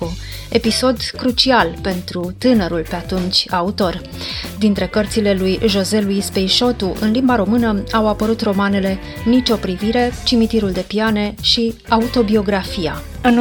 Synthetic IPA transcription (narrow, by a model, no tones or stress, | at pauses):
e̞piso̞d̪kɾut͡ʃialpe̞nt̪ɾut̪ɨnəɾulpe̞at̪unt͡ʃʲaut̪o̞r | d̪int̪ɾe̞kərt̪sile̞lujʒo̞ze̞lujspejʃo̞t̪uʔɨnlimbaɾo̞mɨnəawapəɾut̪ro̞mane̞le̞ | nit͡ʃʲo̞pɾiviɾe̞t͡ʃimit̪iɾuld̪e̞piane̞ʃi | aut̪o̞bio̞ɡɾafia | ɨn